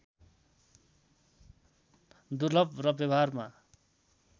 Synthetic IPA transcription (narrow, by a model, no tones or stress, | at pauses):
d̪urlʌbrʌbjʌbɦarma